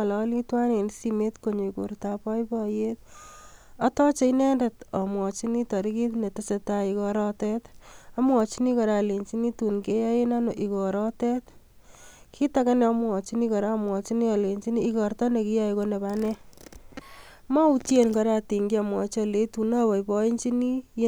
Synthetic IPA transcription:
lɔ˦litwa˦ne˨nsime˦tko˨ɲo˨ikṵ˨rta˨pɔ˦jbɔje˦t̚ | ɔ˦tɔ˦t͡ʃe˦inɛ˦nde˨tɔ˨mwɔ˨t͡ʃi˦ni˦tɔ˨ɾi˦ki˦tne˨tɪ˦se˧ta˦i˨kɔ˧ɾɔ˦tɛta˦mwɔ˨t͡ʃi˦ni˦kɔ˨ɾa˨le˨ɲt͡ʃi˦ni˦tu˨nke˦ja˦je˦na˦no˨ʔi˨kɔ˨ɾɔtɛ˦t | kʰi˦taka˦nɛ˦ɔ˧mwɔ˨t͡ʃi˦ni˦kɔ˨ɾa˦mwɔ˨t͡ʃi˦ni˦a˨le˨ɲt͡ʃi˦niː˦kɔ˨rtɔ˦ne˨ki˦ja˦iko˦ne˨ba˦nɛ | ma˦u˦tje˦nkɔ˧ɾa˦ti˨ŋɡi˦a˨mwɔ˨t͡ʃɔle˨˦tu˨na˦bɔ˨ibɔ˦i˦ɲt͡ʃi˦ni˦j

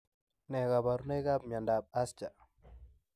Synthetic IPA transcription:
nɛ˨ka˨ba˨ɾu˦ne˦ka˦bma˨nda˨b̚a˦st͡ʃa˨

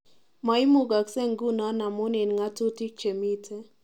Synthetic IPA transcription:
ma˨˦ɪ˦mu˨ɡa˨ksɛ˦˨ŋɡu˦na˦na˨mo˦ne˨nŋa˦tu˦ti˦k̚t͡ʃe˨mi˦tʰe˦

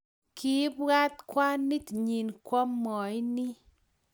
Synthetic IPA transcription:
ki˦bwa˦t̪̚kwa˦ni˦tɲi˨nkwɔ˦mːɔ˨i˦ni˦

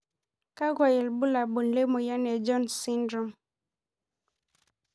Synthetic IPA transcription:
ka˦ɡwa˨jɛ˨lbu˦la˨bu˨nle˦mo˨ja˦nɛ˨d͡ʒɔ˦nsi˦ndɾɔ˨m

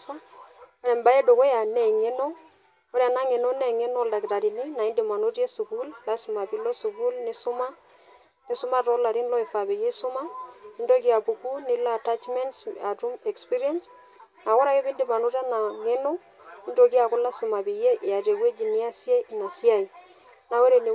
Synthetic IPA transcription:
sa˦ɾɛ˨mba˨˦je˦do˨kɔ˦a˨nɛ˨ŋe˦no˦ | ko˦ɾja˨na˦ŋe˨no˦nɛ˦˨ŋe˦nɔ˦˨lda˨kɪ˨ta˨ɾi˨ni˦na˨i˦ndɪ˨ma˨no˦tje˦su˨ku˦lla˦su˨ma˨pi˨˦lo˦su˨ku˦lnɪ˦sʊ˦ma˦ | nɪ˦sʊ˦ma˦tɔ˨˦la˨ɾi˦nlɔ˦ɪ˨fa˨be˨je˦sʊ˦ma˦i˦ndo˦ki˦a˨pu˨ku˦nɪ˦la˦˨ta˦t͡ʃmɛ˦nsa˨tu˦mɛ˨kspi˦ɾi˦a˦ns | na˨kɔ˦ɾa˨kɪ˦bɪ˦ndɪ˨ma˨no˦ta˦na˨ŋe˦no˦ | i˦ndo˨ki˦a˨kʊ˦la˦su˨ma˨bi˨je˦ʔa˨te˨ke˦d͡ʒi˨ni˦a˦sja˦˨na˨sja˦˨i˨ | na˦o˦ɾe˨ni˨

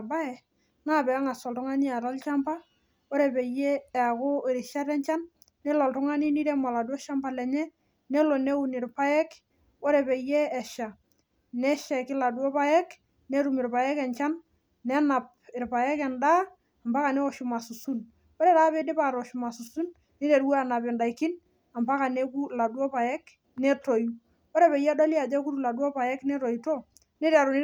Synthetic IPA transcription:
ba˦ɛ˨ | ŋa˦bɛ˨a˦ŋa˨sɔ˨ltʊ˦ŋa˦ni˦a˨ɾa˦lt͡ʃa˦mpa˦ | o˦ɾe˨be˨jeː˦˨a˨ko˦˨ɾi˨ʃa˦ɾɛ˦nt͡ʃa˦nː | ɛ˦lɔ˨ltʊ˦ŋa˦ni˦ni˦ɾɛ˦ma˨la˨du˦ɔ˦ʃa˦mba˨lɛ˨ɲɛ˦ | ne˦lo˨ne˦u˦nɪ˨ɾpa˦jɛ˦k | o˦ɾe˨be˨je˦ɛ˨ʃa˨ | nɛ˦ʃa˨kɪ˦la˨dwɔ˦pa˦jɛ˦k | ne˦ɾu˨mɪ˨ɾpa˨jɛ˦kɛ˨ɲt͡ʃa˦nː | ɛ˦na˨p̚ | ɪ˨ɾpa˨jɛ˦kɛ˨ndaː˦˨ | mba˦ka˨nɛ˦ɔ˨ʃu˨ma˨su˨su˦n | ɔ˦ɾe˨ɾaː˦be˦dɪ˦pa˨ɾɔ˨ʃu˨ma˨su˨su˦n | ni˦ɾe˨ɾɡu˦a˦˨na˨pɛ˨nda˨ikɪ˦n | a˨mpa˦ka˨ne˦ku˦la˨dwɔ˦pa˨jɛ˦k | nɛ˦to˨ju | ɔ˦ɾe˨pe˨jɛ˦do˦li˦a˨d͡ʒɛ˦ku˦ɾu˨la˨du˦o˦pa˨jɛ˦knɛ˦ɾo˨i˨to˦ | ni˦ɾa˨ɾu˨nɪ˦

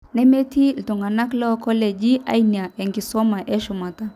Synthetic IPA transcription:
nɛ˦me˦ti˦l̩˨tu˨ŋɡa˨na˦klɔ˦˨kɔ˦lɛ˨d͡ʒi˦ʔa̰˦jni˨a˨ɛ˨ŋɡi˨sɔ˦ma˨ʔɛ˦ʃu˨ma˨ta˨

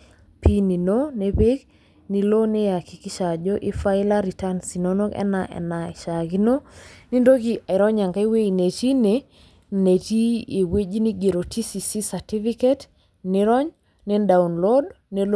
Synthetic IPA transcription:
pʰi˦ni˨no˦ne˨be˦ɡ | ni˨lo˦ne˦ja˨ki˨ki˦ʃa˨d͡ʒo˦ʔi˦fa˦i˦la˦ɾi˨ta˦nsi˨no˦no˦ɡɛ̰˦na˨ʔɛ̰˨na˨ɪ˨ʃa˨ɡi˦no˦ni˦ndo˦ɡi˦a˨ɪ˨ɾɔ˦ɲa˨ŋɡa˦i˦we˦i˨ne˨ti˦ne˨ | ne˨ti˦e˨we˦d͡ʒi˦ni˦ɡe˨ɾo˨ti˦si˨si˦sa˨ti˦fi˦ke˦t | nɪ˦ɾɔ˦ɲ | ne˦nda˨u˨nlo˦d | ne˨l

